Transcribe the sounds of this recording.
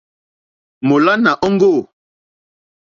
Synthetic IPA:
mo˨la˦na˨ʔɔ˦ŋ˦ɡo˦˨

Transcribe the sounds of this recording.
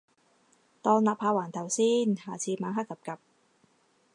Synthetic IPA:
t̪ɔː˧nlaː˨˩pʰːaː˧waː˨˩nt̪ʰɐ˨˩wsiː˥nhaː˨˩t͡sʰiː˧maː˨˥ŋɦaː˥kːɐ˨˧p̚kɐ˨˩p̚

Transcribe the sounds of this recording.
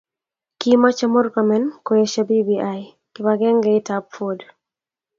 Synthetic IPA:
ki˦ma˦t͡ʃa˦mo˦ɾkɔ˨mɛ˨˦nko˨je˨ʃa˦bi˦biʔa˦j | kɪ˨baɡɛ˦ŋɡɛɪ˦tapfo˨d

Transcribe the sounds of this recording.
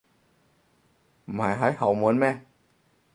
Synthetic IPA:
maː˨˦jɦaː˨˦˥jha˨˩wmɯ˨˦ənmɛː˧˩˨

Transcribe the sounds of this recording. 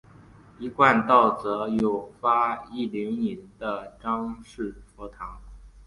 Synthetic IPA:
i˧˥kwa˥˧nt̪ɑ˥˩ʊt͡sɤ˧˥jo˨˩ʊfa˥i˥˩li˧˥ŋni˧˥nd̪ə˧ʈ͡ʂɑ˥ŋʂɻ̩˥˩fɔ˧˥t̪ʰɑ˧˥ŋ

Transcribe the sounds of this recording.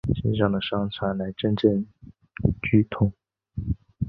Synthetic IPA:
ɕi˥˧ʂ̬ɑ˥˩ŋd̪ə˩ʂɑ˥ŋt͡sʰwa˧˥nla˧˥ɪʈ͡ʂə˥nʈ͡ʂə˥˩ŋ | t͡ɕy˥t̪ʰʊ˧˥˦ŋ

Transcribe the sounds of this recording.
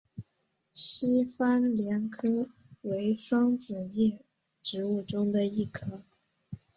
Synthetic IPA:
ɕi˥fa˥nljɛ˧˥nkʰɤ˥ | we˧˥ɪʂwɑ˥ŋt͡sɹ̩˨˩jɛ˥˩ | ʈ͡ʂɻ̩˧˥u˥˩ʈ͡ʂʊ˥ŋd̪ə˨i˥˩kʰɤ˥

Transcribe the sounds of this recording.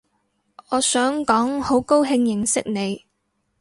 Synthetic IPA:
ɔː˨˧sœː˨˥ŋkɔː˨˥ŋho˨˥wko˥wɦɪ˧ŋjɪ˨˩ŋsɪ˥k̚ne˨˧j

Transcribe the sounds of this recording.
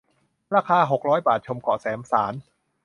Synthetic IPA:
ɾaː˧kʰaː˧ɦo˨˩k̚ɾɔː˦˥jbaː˨˩t̪̚t͡ɕʰo˧mkɔ̰˨˩sɛː˩˦msaː˩˦n

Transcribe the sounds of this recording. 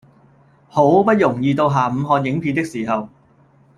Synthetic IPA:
ho˨˥wpɐ˥t̚jʊ˨˩ŋjiː˨˧t̪o˧wɦaː˨˩m̩˨˧ɦɔː˧n̚jɪ˨˥ŋpʰiː˧t̪ɪ˥k̚siː˨˩ɦɐ˨w

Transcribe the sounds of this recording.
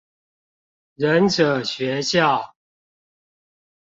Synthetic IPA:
ɻə˨˦nʈ͡ʂɤ˨˩ɕɥɛ˨˦ɕjɑ˥˨ʊ

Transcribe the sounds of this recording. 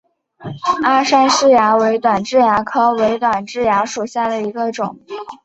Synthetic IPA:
a˥˩ʂa˥nʂɻ̩˥˩ja˧˥we˧˥ɪt̪wa˨˩nʈ͡ʂɻ̩˥˩ja˧˥kʰɤ˥we˧˥ɪt̪wa˨˩nʈ͡ʂɻ̩˥˩ja˧˥ʂu˨˩ɕja˥˩d̪ə˩i˧˥ɡə˧ʈ͡ʂʊ˨˩˦ŋ

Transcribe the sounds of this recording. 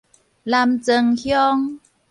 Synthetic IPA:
la˧mt͡sə˧ŋhjɔ˦˥ŋ

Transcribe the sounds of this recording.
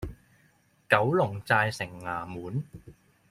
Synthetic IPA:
kɐ˨˥wlʊ˨˩ŋt͡saː˧jsɪ˨˩ŋːaː˨˩muː˨˥n

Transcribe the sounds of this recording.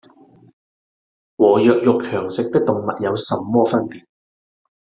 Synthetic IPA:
wɔː˨˩jœː˨˧k̚jʊ˨k̚kʰœː˨˩ŋsɪ˨k̚t̪ɪ˥k̚t̪ʊ˨ŋmɐ˨t̚jɐ˨˧wsɐ˨mːɔː˥fɐ˥npiː˨t̚

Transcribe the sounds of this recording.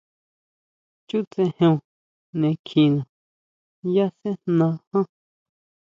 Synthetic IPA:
t͡ʃu˦t͡sẽ˧hẽ˧ũ˧ | nẽ˧kʰĩ˧nã˨ | ja˦sẽ˦nnã˧hã˦

